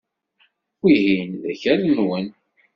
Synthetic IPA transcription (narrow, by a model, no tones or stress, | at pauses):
wiɦinðæçælənwən